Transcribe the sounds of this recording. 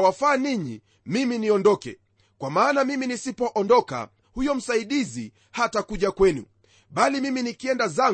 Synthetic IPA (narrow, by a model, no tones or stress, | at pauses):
wafaːniɲḭ | miminiɔndɔkɛ̰ | kwamaːnamiminisipɔʔɔndɔka̰ | hujɔm̩saiɗizi | hatakuʄakwɛnṵ | ɓalimiminikiɛndaza